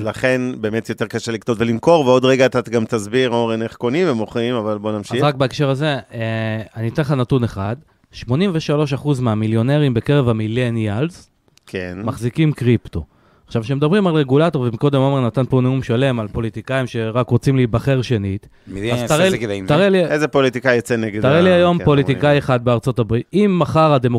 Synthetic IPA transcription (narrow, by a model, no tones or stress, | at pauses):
vlaχe̞nbe̞ːmet̪jot̪eʁkaʃeliktotvelimko̞ʁveo̞d̪ʁeɡaːt̪aɡamt̪azbiʁoʁeneχko̞nimvemoχimavalbo̞namʃaizʁak̚beekʃe̞ʁaze̞ | anit̪enleanatune̞χad | ʃmo̞nimveʃalo̞ʃaχuzmeamiljo̞neʁimbe̞keʁe̞vamilenjalz | kʰenmaχzikimkʁipt̪o̞ | aχʃavʃemed̪abʁimalʁe̞ɡulato̞ʁvemiko̞d̪emomeʁnat̪anpo̞neumʃale̞malpo̞lit̪ikaimʃe̞ʁakʁot͡simlibaχe̞ʁʃe̞nit̪ | at̪aʁet̪aʁeliezepolit̪ikajot͡seneɡet̪aʁeliajo̞mpo̞lit̪ikajeχad̪̚beaʁt͡so̞t̪abʁit̪imːaχaʁad̪e̞mo